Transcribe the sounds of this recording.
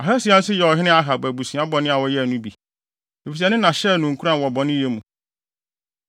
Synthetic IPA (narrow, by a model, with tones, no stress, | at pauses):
a˨ɦæ˦si˨ã˦n̩˦sɪ˦jɛ˨ɔ˨ɦɪ˦nɪ̃˦a˨ɦa˨bæ˨bu˨sĩ˨a˦bɔ˨nɪ̃˦a˨wɔ˦jɛ˦æ˨nũ˦bi˨ | e˨fi˨sɛ˨˦nɪ̃˦nã˨ɕɛ˦˨nũ˨ŋ̩˨kʰu˦ɾã˦˨n˨wɔ˨bɔ˨nɪ̃˦e˦mũ˨